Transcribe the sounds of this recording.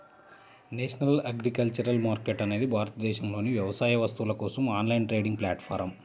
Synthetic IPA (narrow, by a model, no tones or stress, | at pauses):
neːʂɐnɐlɐɡɾikɐlt͡ʃɐɾɐlmaːɾkeʈɐne̞ːd̪ibʱaːɾɐt̪ɐd̪ɛːʃɐmlo̞ːniʋjɐʋɐsaːjɐʋɐst̪uʋulɐkɔːsɐmaːnlɐjɳʈɾeːɖiŋɡplaːʈpʰaːɾɐm